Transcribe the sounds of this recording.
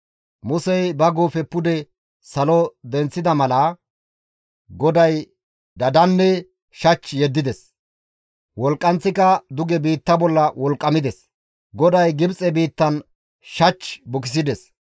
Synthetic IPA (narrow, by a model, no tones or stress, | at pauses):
mʊsɛjbɐɡoːfɛpːʊd̪ɛ | sɐlɔd̪ɛnt͡sːɪd̪ɐmɐlɐ | ɡɔd̪ɐj | d̪ɐd̪ɐnːɛ | ʃɐt͡ʃːjɛd̪ːɪd̪ɛs | wɔlkʼːɐnt͡sːɪkɐd̪ʊɡɛbiːt̪ːɐbɔlːɐwɔlkʼːɐmɪd̪ɛs | ɡɔd̪ɐjɡɪbt͡sʼɛbiːt̪ːɐn | ʃɐt͡ʃːbʊkɪs̬ɪd̪ɛs